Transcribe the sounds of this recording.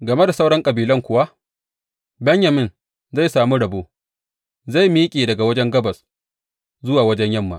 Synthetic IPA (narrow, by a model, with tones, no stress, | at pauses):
ɡɐ˨me˦da˨sa˦wɽɐ˦ŋkʼɐ˨biː˨lɐ˦ŋkʷʊ˨wa˦ʔ | bɐ˦ɲjɐ˨mɪ˦n | za˦˨jsaː˨mu˦ɽɐ˨boː˦ | za˦˨jmiː˦kʲʼeː˨dɐ˨ɡa˨wɐ˦d͡ʒɛ˦ŋɡɐ˦bɐ˨s | zʊ˦waː˨wɐ˦d͡ʒɛ˦ɲjɐ˦˨mːa̰˨